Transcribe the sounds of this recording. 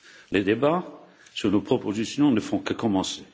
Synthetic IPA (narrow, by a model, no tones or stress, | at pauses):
led̪eba | syʁnopχɔpozisjɔ̃nəfɔ̃kəkɔmɑ̃se